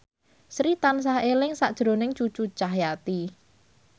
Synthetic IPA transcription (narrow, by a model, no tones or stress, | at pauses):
sɾit̪ans̬ahelɪŋsaʔd̥ʒ̥ɾo̤nɪŋt͡ʃut͡ʃut͡ʃahjat̪i